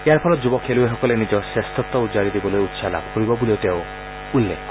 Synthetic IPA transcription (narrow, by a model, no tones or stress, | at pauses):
eaɾpʰɔlɔd͡ʒubɔkʰelueɦɔkɔlenid͡ʒɔsest̪ɔt̪ɔud͡ʒaɾid̪ibɔlojut̪ːsala̰bɔpuɾibɔbuliot̪eo | ulːḛkʰɔ